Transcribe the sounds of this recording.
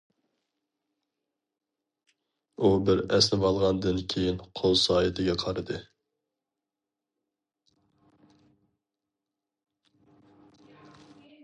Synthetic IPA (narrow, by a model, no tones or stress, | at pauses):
ubɪɾɛsnɪbɑlˠʁɑnd̪ɨnkʲʰejinqʰolˠsɑːjɪt̪ʰɪɡʲɛqʰɑɾɨd̪ɨ